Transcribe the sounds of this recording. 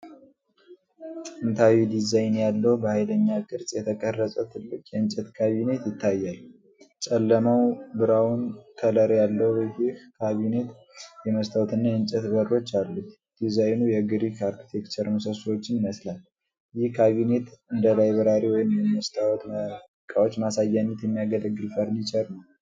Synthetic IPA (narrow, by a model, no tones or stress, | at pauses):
tʼɨnt̪ʰawid̪izajnjalːəwubəhajləɲːakʰʼɨɾsʼjɛt̪ʰəkʼərːəsʼət̪ʰɨlːɨkʼjɛɨnt͡ʃʼɛt̪kʰaβine̞t̪jɪt̪ʰːajːal | t͡ʃʼɛlːəmawbɨɾawunk̪ʰələɾjalːəhjihkʰaβine̞t̪ | jɛməst̪ʰawt̪ɨnːajɨnt͡ʃʼɛt̪bərːo̞t͡ʃːalːut̪ | d̪̥izajnujɛɡɨɾikʰaɾkʰi̥t̪ʰekt͡ʃ̪ʰəɾmusəswot͡ʃːɪnɪməslal | jɪhkʰaβine̞t̪ɨnd̪əlajbəɾaɾiwɔjɪmjɛməst̪ʰawɔt̪ | kʼawot͡ʃːmasajːanːət̪jɛmːijaɡələɡːɨlfəɾnit͡ʃʰʼɛɾnəw